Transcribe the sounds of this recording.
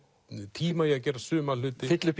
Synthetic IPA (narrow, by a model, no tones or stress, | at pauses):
t̪ʰiːmajɛɣac̬ɛːɾrasʏːmalʏːt̪ɪfɪt̪lʏp